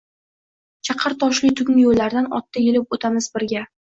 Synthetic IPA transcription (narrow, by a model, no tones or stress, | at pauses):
t͡ʃʰɑqʰɨɾt̪ʰɒʃlɪt̪ʰʊŋʲɪjolːaɾd̪anɒ̰t̪ʰːajelɪp̚ot̪ʰamɪzbɪɾɡʲa